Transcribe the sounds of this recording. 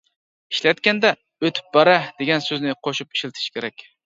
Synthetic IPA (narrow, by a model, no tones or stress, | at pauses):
iʃlɛt̪̚kʲɛnd̪ɛ | øt̪ʰy̥p̚bæɾɛd̪̥eɡʲɛnsøznɪqʰoʃup̚i̥ʃilˠt̪ʰɪ̥ʃkʲʰeɾɛkʲ